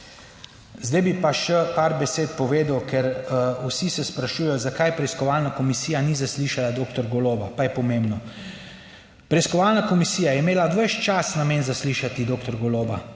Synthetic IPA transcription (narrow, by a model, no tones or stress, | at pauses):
zd̪ajbipaʃɛpaɾbɛseːt̪pɔʋeːd̪əwkɛɾusisɛspɾaʃuːjɛjɔzakajpɾɛiskɔʋalnakɔmisiːjanizasliːʃalad̪oːkt̪ɔɾɡɔloːbapajɛpɔmẽmbnɔ | pɾɛiskɔʋalnakɔmisijajɛimeːlaʋəʃt͡ʃasnameːnzasliʃat̪id̪oːkt̪ɔɾɡoloːba